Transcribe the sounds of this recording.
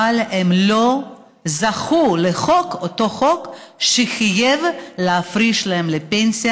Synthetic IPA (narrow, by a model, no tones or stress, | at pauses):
alhemlo | zaχuleχo̞kot̪o̞χokʃeχijevleafɾiʃlaɦemlepensija